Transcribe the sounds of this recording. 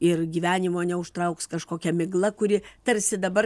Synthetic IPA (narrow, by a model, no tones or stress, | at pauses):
ɪrɡʲiːʋʲæːnʲɪmoːnʲɛʊʃt̪ɾɐʊkskɐʃkoːkʲɛmʲɪɡlˠɐkʊɾʲɪt̪ɐrʲsʲɪd̪ɐbɐ